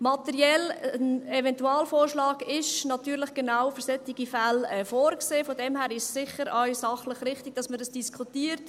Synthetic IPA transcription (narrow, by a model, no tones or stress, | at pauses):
mɑtɛɾiɛlənɛvɛntuɑːlfoːrʃlɑːɡɪʃnɑtyːɾlɪχɡ̥enawfʏɾsɛtɪɡ̥ifɛlɛːfoːɾkseːfodɛmhæːɾɪʃːɪχəɾœʏsɑχləχrɪχtɪɡ̚d̥ɑsməɾəsd̥iskʰutiːəɾt